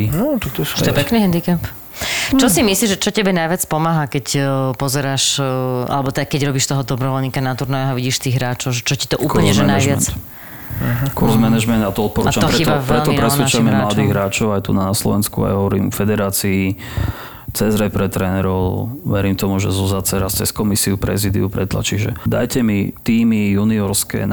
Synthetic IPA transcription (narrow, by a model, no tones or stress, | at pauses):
nɔt̪ak̚t̪ɔsɛpɛkniɦɛnd̪ikɛp | t͡ʃɔsimisliːʒʒɛt͡ʃɔcɛbɛnajʋɪat͡spɔmaːɦakɛcpɔzɛɾaːʃʔa̰lɛbɔt̪ɛd̪akɛɟɾɔbiʃt̪ɔɦɔd̪ɔbɾɔʋɔlɲiːkanat̪uɾnajaɦaʋiɟiːʃt̪iːɣɦɾaːt͡ʃɔʊʒɛt͡ʃɔci̥t̪ɔʔuːkl̩ɲɛʒɛnajʋɪat͡s | kuɾzmɛnaʒmɛnd̪at̪ɔɔt̪̚pɔɾut͡ʃamɔɾxɾɛiɔaʋɾɛlt̪ɔpɾɛsʋɛt͡ʃamɛmlad̪iːɣɦɾaːt͡ʃɔʊajt̪unaslɔʋɛnskṵa̰jɦɔʋɔɾiːmɔfɛd̪ɛɾaːt͡sii | t͡sɛzɾɛpɾɛt̪ɾɛnɛɾɔʊʋɛɾiːmt̪ɔmuʒɛ̰zɔzaːt͡sɛɾast͡sɛskɔmisiupɾɛ̰ziːd̪ḭupɾɛt̪la̰t͡ʃiʒɛ̰d̪a̰jcɛmit̪iːmijuniɔɾskɛ̰ːn